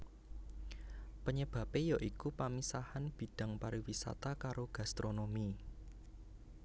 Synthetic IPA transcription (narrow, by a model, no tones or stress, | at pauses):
pəɲəb̥ä̤pejaʔikupamisahanb̥i̤ɖ̥ä̤ŋpaɾiwisa̰t̪akaɾoɡ̥a̤st̪ɾonomi